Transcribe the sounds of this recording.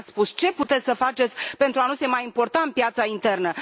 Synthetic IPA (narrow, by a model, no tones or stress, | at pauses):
spust͡ʃe̞put̪et̪ʲsəfat͡ʃe̞t̪sʲpe̞nt̪ɾuanuse̞majimpo̞rt̪aɨmpjat̪saint̪e̞rnə